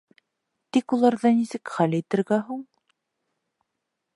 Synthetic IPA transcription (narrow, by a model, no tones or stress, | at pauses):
t̪ikulˠɑɾðɑnisɘkχælit̪ɘ̆ɾɡæɦul